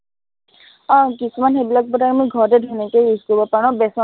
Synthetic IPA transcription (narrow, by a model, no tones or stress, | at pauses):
ɔ̃kisumanxebilak̚bɔtaɹmojɡʱɔɹdɛdʱunikejizkɔbɔpaɹɔ̃bɛsɔ